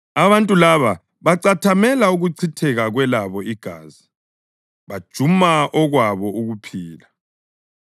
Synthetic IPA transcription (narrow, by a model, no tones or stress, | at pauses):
aβantʼulaβa | βaǀatʰamɛlauɣuǀʰitʰɛɣaɣwɛlaβɔiɡ̥ʱa̰ːzi | βad̥ʒ̥ʱumaʔɔɣwaβɔuɣupʰiːla